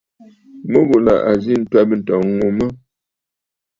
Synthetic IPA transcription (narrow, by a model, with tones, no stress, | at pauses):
mə˦bo˨la̰˨ʔa˨zi˦n̩˦twa˦bə˦n̩˨tɔ˨˦ŋu˨mə˦